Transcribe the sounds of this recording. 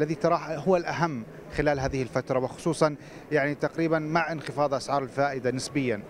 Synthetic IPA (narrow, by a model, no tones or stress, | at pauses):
lːaðit̪ɑɾˤɑːħɦʊwːalʔaɦamː | xɪlaːlɦaːðɪhɪlfat̪ɾˤɑwɪxʊ̥sˤuːsˤɑn | jaʕnit̪aqɾiːbanmaʕʔɪnxɪfɑːðˤʔasʕɑːɾˤɪlfaːʔɪd̪anɪsbɪjːan